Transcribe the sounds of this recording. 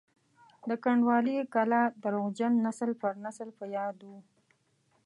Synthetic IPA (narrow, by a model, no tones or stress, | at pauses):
d̪əkaɳɖwɑlikalɑd̪əɾoɣd͡ʒanːasəlpəɾnasəlpəjɑd̪wu